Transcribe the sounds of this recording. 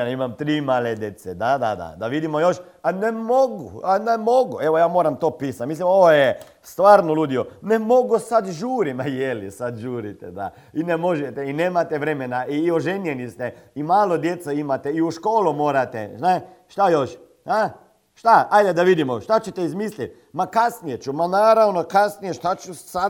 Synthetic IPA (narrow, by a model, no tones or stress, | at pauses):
nimamt̪ɾiːmaled̪jet̪sɛd̪ad̪a̰d̪a̰d̪aʋid̪imojoʃ | anemoɡṵanemoɡueʋojaːmoɾamt̪oːpiːsat̪mislimoʋoje | st̪ʋaːɾnoluːd̪ijonemoɡusad̪ʒuːɾimajelisad̪ʒuːɾit̪ɛ̰d̪a̰ | inemo̞ʒɛt̪ɛineːmat̪ɛʋɾemenaʔioʒenjenist̪ɛimaːlˠod̪jet̪saimat̪eiuʃkoːlumo̞ːɾat̪ḛnaʃt̪ajoʃ | a | ʃt̪aajd̪ed̪aʋid̪imoʃt̪at͡ɕet̪eizmislit̪ | makasnijet͡ʃumanaːɾaʋnokasnijeʃt̪at͡ʃusa